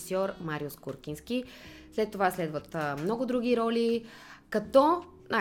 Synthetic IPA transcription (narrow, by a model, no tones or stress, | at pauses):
sɔɾmaɾiuskuɾkʲinsk̟ʲislɛt̪ːovaslɛd̪vət̪mnɔɡʊd̪ɾuɡ̟ʲiɾɔlʲi | kɐt̪ɔ | nʔa